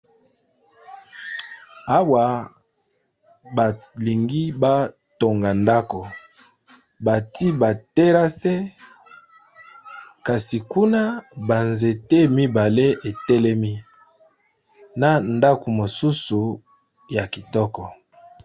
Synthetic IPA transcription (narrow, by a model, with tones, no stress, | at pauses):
a˦wa˨ | ba˨li˨ŋɡi˦ba˦ | to˨ŋɡa˨nda˦ko˨ | ba˨ti˦ba˨te˦ɾa˦sɛ˦ | ka˨si˨ku˦na˦ba˨nze˨te˦mi˦ba˨le˦e˨tɛ˦lɛ˦mi˦ | na˨nda˦ko˨mo˨su˦su˨ | ja˨ki˨tɔ˦kɔ˨